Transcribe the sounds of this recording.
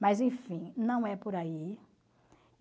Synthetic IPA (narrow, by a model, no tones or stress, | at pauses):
mazẽj̃fĩnɐ̃w̃ɛpoɾai